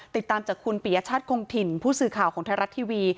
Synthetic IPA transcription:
t̪i˨˩t̪ːaː˧mt͡ɕaː˨˩kʰːu˧npi˨˩˦ja˦˧t͡ɕʰaː˥˩t̪̚kʰoː˧ŋt̪ʰi˨˧˩npʰuː˥˩sɯː˨˩kʰaː˨˩wkʰɔː˩˦ŋt̪ʰa˧˥ɾa˦˥t̪ʰːiː˧wiː˧

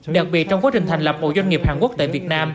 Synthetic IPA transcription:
ɗa˨˩k̚ɓi˨˩ət̚t͡ɕɔ˧wŋ͡mkaː˨˦˥t͡ɕï̟˩t̪ʰŋ̟lə˨˩p̚ho̰˧˨zwa˧ŋi˨˩əphaː˨˩nku˦˥ək̚t̪aː˧˨vi˨˩ət̚naː˧m

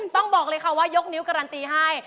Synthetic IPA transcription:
mt̪ɔ˥˩ŋbɔː˨˩k̚lɤː˧jkʰa˧˩waː˥˩jo˦˥k̚ni˦˥wkaː˧ɾaː˧nt̪iː˧ɦa˥˩j

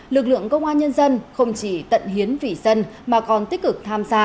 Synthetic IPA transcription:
lɨ˨˩k̚lɨ̰˧˨əŋkə˧wŋ͡mʔaː˧nɲə˧nzə˧nxə˧wŋ͡mt͡ɕi˧˩t̪ə̰˧˨nɦi˨˦ənvḭ˧˩zə˧nmaː˨˩kɔ˨˩nt̪i˦˥k̚kɨ˨˩k̚t̪ʰaː˧mzaː˧

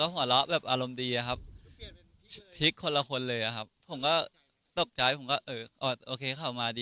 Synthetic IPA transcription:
ɔː˥˩o˩˦a˦lɔ˦˥ʔbɛː˨˩p̚ʔaː˧ɾo˧mdiː˧ʔa˨˩kʰa˦˥p̚ | t̪ʰi˦˥kʰːo˧la˧kʰo˧nlɤː˧jʔa˨˩kʰa˦˥pʰːo˩˦mkɔː˥˩ | t̪o˨˩k̚t͡ɕaː˧˥jpʰo˨˩˦mkɔː˥˩ʔɤː˧ʔɔː˧˩ʔoː˧kʰeː˧kʰa˨˩wmaː˧diː˧

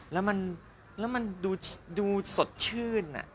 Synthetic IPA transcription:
lɛː˦˥wma˧n | lɛː˦˥wma˧nduː˧duː˧so˨˩t̪̚t͡ɕʰɯː˥˩nːa̰˨˩ʔ

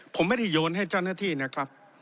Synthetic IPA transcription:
pʰo˨˩˦mːa˥˩da˥˩joː˧nɦa˥˩jt͡ɕa˥˩wnaː˥˩t̪ʰiː˥˩na˦˥˩kʰɾa˦˥p̚

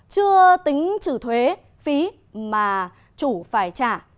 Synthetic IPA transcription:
t͡ɕɨ˧ət̪ï˨˦ŋ̟t͡ɕɨ˧˩t̪ʰwe˨˦ | fi˨˦ | maː˨˩ | t͡ɕu˧˩faː˧˩jt͡ɕaː˧˩

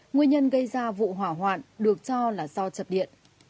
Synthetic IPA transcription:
ŋwi˧ənɲə˧nɣə˧jzaː˧vṵ˧˨ɦwaː˧˩ɦwaː˨˩nɗɨ˨˩ək̚t͡ɕɔ˧laː˨˩zɔ˧t͡ɕə˨˩p̚ɗḭ˧˨ən

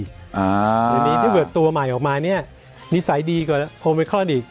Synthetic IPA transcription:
ʔa˧˦jaː˨˩niː˦˥aː˥˩pɯː˨˩ət̪ːu˧ɐma˨˩jʔɔː˨˩k̚maː˧ni˥˩ɐ | ni˦˥sa˩˦jdiː˧kaː˨˩kʰo˧pe˧kʰɔː˥˩diː˨˩k̚

